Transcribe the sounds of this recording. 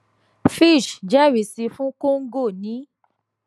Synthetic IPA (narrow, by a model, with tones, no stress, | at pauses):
fi˦˨ʃd͡ʒɛ˦˨wi˨si˧fũ˦ko˦ŋ̩˦ɡo˦˨nĩ˨˦